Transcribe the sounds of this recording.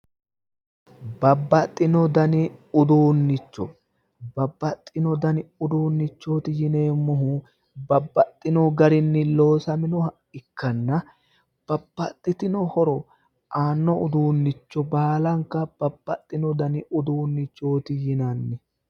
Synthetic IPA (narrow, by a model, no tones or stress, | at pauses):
bɐbːɐt̪ʼːɪnɔd̪ɐnɪʊd̪uːnːɪt͡ʃːɔ̰ | bɐbːɐt̪ʼːɪnɔd̪ɐnɪʊd̪uːnːɪt͡ʃːo̞ːt̪ɪjɪne̞ːmːɔɦu | bɐbːɐt̪ʼːɪnɔɡɐɾɪnːɪlo̞ːsɐmɪnɔ | ɪkːɐnːɐ | b̥ɐbːɐt̪ʼːɪt̪ɪnɔhɔɾɔ | ʔaːnːɔʊd̪uːnːɪt͡ʃːɔbaːlɐŋkɐb̥ɐbːɐt̪ʼːɪnɔd̪ɐnɪʊd̪uːnːɪt͡ʃːo̞ːt̪ɪjɪnɐnːɛ